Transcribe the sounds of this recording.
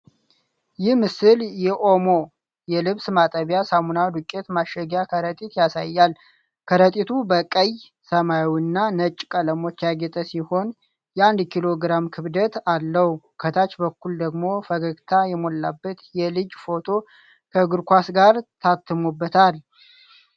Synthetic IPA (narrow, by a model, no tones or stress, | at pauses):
jɪhmɨsɨljɛʔo̞mo̞ | jɛlɨβsmat̪ʼəβjasamunad̪ukʼːet̪maʃəɡjakʰəɾət̪ʼit̪jasa̰jːal | kʰəɾət̪ʼit̪ʰubəkʼəj | səmajwnːanət͡ʃʼːkʼələmo̞t͡ʃːjaɡɛt̪ʼəsiho̞n | jɛand̪kʰilo̞ɡɾamkʰɨβd̪ət̪alːəhu | kʰət̪ʰat͡ʃbəkːuld̪əɡmo̞fəɡəɡt̪ʰajɛmolːa̰bːət̪jɛlɨd͡ʒfo̞t̪ʰo̞ | kʰəɡɨɾkʷasɡaɾt̪ʰat̪ʰːɨmubːət̪ʰal